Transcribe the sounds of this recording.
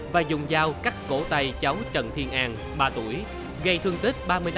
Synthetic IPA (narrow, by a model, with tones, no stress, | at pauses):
vaː˨˩zʊ̰˨˩ŋ͡mzaː˧wka˦˥k̚ko˧˩t̪a˧˩jt͡ɕa˨˦wt͡ɕə̰˧˨nt̪ʰi˧ənʔaː˨˩ŋ | ɓaː˧t̪u˧˩əj | ɣə˧jt̪ʰɨ˧əŋt̪ï˦˥k̟̚ɓaː˧mɨ˧əj̪